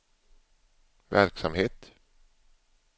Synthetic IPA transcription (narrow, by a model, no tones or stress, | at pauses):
væɾksamheːt̪